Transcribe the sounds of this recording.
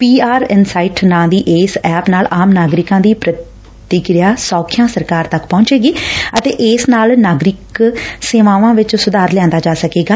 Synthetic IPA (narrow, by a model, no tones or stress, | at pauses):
piːaːɾɪnsaːɪʈnãːd̪iːʔeːsɛːpnaːlaːmnaːɡɾɪkãːd̪iːpɾət̪ | ɪkɾɪjaːsɔːkʰɪjãːsəɾkaːɾt̪əkpɔ̃ːɲt͡ʃeːɡiːət̪eːʔeːsnaːlnaːɡɾɪkseːʋãːʋãːʋɪt͡ʃsʊd̪aːɾlɛãːnd̪aːd͡ʒaːsəkeːɡaː